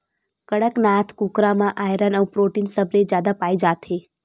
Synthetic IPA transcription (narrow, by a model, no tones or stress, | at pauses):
kəɽəknat̪ʰkukɾamãʔajɾənəwpɾoʈinsəbled͡ʒjad̪apajd͡ʒat̪ʰe